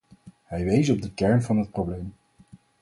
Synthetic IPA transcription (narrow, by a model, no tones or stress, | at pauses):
ɦɛjʋejzɔb̚dəkɛɹnvɑnɦət̚prowblejm